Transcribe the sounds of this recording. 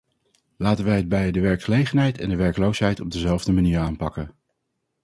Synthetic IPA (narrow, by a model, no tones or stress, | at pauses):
laːtənʋɛjɦəd̚bɛjədəʋɛɹkχəlejχənɦɛjtɛ̰ndəʋɛɹklowsɦɛjtɔb̚dəzɛlˠvdəmaniːɹaːnpɑkən